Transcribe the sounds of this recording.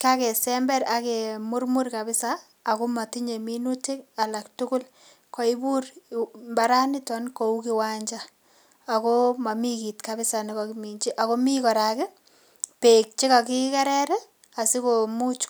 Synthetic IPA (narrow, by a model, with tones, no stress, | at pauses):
ka˦ke˨sɛmbɛ˦ɾake˨mʊ˦rmu˦rka˨bɪ˦saː˨ | ko˦ma˨ti˦ɲe˨minutɪ˦ka˨la˨ktʊ˦kʊ˦l | kɔ˨i˦bu˦rmba˨ɾa˦nɪ˦tɔ˨nko˨u˦kɪ˨waɲd͡ʒaː˨ | ko˦ma˨mi˦ki˨tka˨bɪ˦sa˨nɪkɔ˨kimi˨ɲt͡ʃi˦ʔa˨ko˦mi˦kɔ˨ɾakɪ˦ | pe˨k̚t͡ʃi˦ka˨ki˦ka˦ɾɛɾɛ˦ | a˨si˦ko˨mu˦t͡ʃ